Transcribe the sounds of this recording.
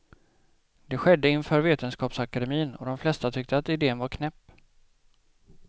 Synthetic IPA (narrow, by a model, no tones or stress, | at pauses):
d̪ɛɧɛd̪ːəɪnfœːɾveːt̪ənskɑːpsakad̪ɛmiːnɔ̰d̪ɔmflɛst̪at̪ʰʏk̚t̪ʰəat̪ɪd̪eːənvaɾkʰnɛpː